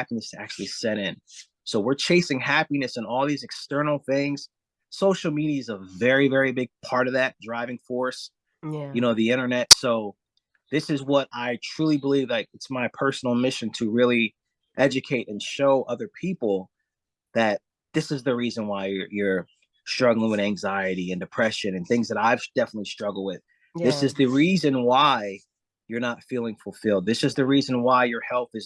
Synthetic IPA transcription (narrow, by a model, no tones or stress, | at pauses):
hæpinɨstʰæ̰k̚t͡ʃʉl̩ˠisɛɾɪ̃n | soʊwɪɹt͡ʃʰeɪsɪ̃ŋhæpinɨsə̃nɔlˠðizɨkstɜ̃˞nl̩ˠθɪ̃ŋz̥ | soʊʃl̩ˠmiɾiɨzəvɛɹivɛɹibɪɡ̚pʰɑɹɾʌvðæt̚dɹaɪvɪ̃ŋfɔɹs | jɨñoʊðiɪ̃ɾ̃ə˞nɛtsoʊ | ðɪsɨzwʌɾaɪtʰɹ̥ulˠibəlivlaɪk̚ɨtsmaɪpʰɜ˞sn̩l̩ˠmɪʃɨ̃ntʰɨɹɪlˠi | ʔɛd͡ʒɨkʰeɪɾʔɨ̃nʃoʊʔʌðə˞pʰipl̩ˠ | ðɨt̪̚ | ðɪsɨzðɨɹizɨ̃nwaɪjə˞ | stɹ̥ʌɡl̩ˠɪ̃ŋwɨðæ̃ŋzaɪɨɾiɨ̃ndɨpʰɹ̥ɛʃɨ̃nɨ̃nθɪ̃ŋzðɨɾaɪ̥d̥ɛfənətˡlistɹ̥ʌɡl̩ˠwɪð̥ | ðɪsɨzðɨɹizɨ̃nwaɪ | jə˞nətfilˠɪ̃ŋfl̩ˠfɪlˠd̪̚ðɪsɨzðɨɹizɨ̃nwaɪjə˞hɛlˠθɨz